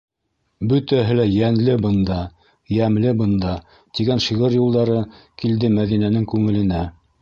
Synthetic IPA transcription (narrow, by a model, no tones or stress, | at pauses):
bɵ̆t̪æɦɘlæjænlɘbɤ̆nd̪ɑ | jæmlɘbɤ̆nd̪ɑ | t̪iɡænʃiʁɤɾjulˠd̪ɑɾɤkild̪ɘmæðinænɘŋkʉŋɘ̆lɘ̆næ